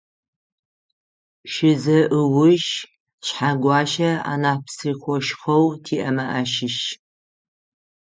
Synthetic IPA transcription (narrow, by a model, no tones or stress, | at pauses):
ʃɪzɐʔɨwʊʒ | ɕħaɡʷɑːʃɐa̰ːnaːpsiːxʷɔʃχɐwtʰiːʔɐmɐʔɐʃɪʃ